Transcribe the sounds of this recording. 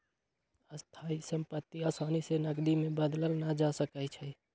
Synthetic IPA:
əst̪ʰaisəmpət̪ːiasaːnisenəɡd̪imẽbəd̪ləlnad͡ʒasəkəjt͡ʃʰɛ

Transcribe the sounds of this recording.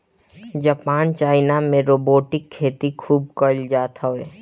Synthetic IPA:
d͡ʒaːpaːnt͡ʃaːɪnamẽɾoːboːʈɪkʰːeːt̪ikʰuːb̚kəld͡ʒaːt̪aeː

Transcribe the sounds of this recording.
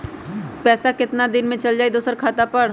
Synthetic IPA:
pɛːsakɪt̪nad̪ɪnmẽt͡ʃɐld͡ʒaːid̪oːsəɾkʰaːt̪apɐɽ̤

